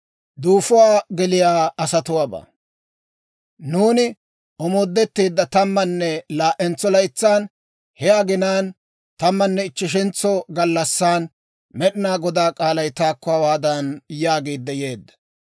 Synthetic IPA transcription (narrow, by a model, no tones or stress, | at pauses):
d̪uːfʊwaːɡɛlɪjaːɐsɐt̪ʊwaːbɐ̰ː | nuːnɪ | ʔɔmoːd̪ːɛt̪ːiːd̪ːɐt̪ɐmːɐnːɛlaːʔɛnt͡sːɔlɐjt͡sːaːn | hɛjaːɡɪnaːn | t̪ɐmːɐnːɛɪt͡ʃːɪʃ̬ɪnt͡sːɔɡɐlːɐsːaːn | mɛɗɪnaːɡɔd̪aːkʼaːlɐjt̪aːkːɔwaːwaːd̪ɐnjaːɡiːd̪ːɐjeːd̪ːɐ̥